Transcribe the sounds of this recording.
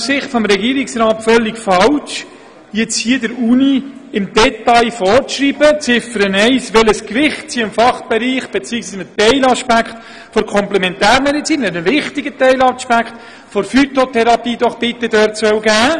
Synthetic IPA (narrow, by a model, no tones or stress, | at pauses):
sɪχtfɔmɾɛɡiːɾɪksɾaːtfœlːɪkfɑwt͡ʃ | jɛt͡shiədəɾuːniɪmdɛtɑɪfɔːɾʃriːb̥ət͡sɪfəɾənɛɪsʋɛləskʋɪχt̚t͡siəɪmfɑχb̥ɛɾiːχb̥ɛt͡siːəksiːsmətɛɪlɑʃpækχt̪ | fɔɾkʰɔmplɛmɛntæːɾmɛdit͡siːnɛɾəʋɪχtiɡət̪ɛɪlɑʃpækt̪ | fɔɾfyt̪ot̪ʰɛɾɑpiːd̥ɔχb̥ɪt̪ːəd̥œɾtsœwɡæː